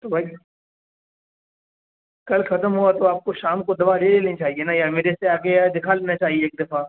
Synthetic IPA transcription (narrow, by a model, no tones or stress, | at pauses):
t̪oːbʱaːi | kɐlxɐt̪əmɦuat̪oaːp̚koʃaːmkod̪ɐʋaːleːleːlnit͡ʃaːɦienajameːɾeseaːkead̪ɪkʰaleːnat͡ʃaːɦieːk̚d̪ɐfaː